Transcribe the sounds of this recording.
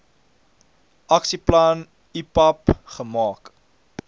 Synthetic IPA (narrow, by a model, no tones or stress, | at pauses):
ʔɐksiplɐn | ipɐpχəmɑːk